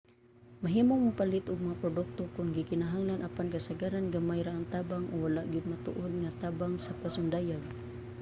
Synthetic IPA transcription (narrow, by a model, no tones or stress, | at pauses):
maɦiːmoŋmʊpalɪt̪ʊɡ̚maŋapɾod̪ʊk̚t̪okʊnɡɪkɪnaɦaŋlanʔapankasaɡaɾanɡamajɾaʔaŋt̪aːbaŋʔʊwalaʔɡɪd̪̚mat̪ʊ̰ʔod̪̚ŋat̪aːbaŋsapasʊnd̪ajaɡ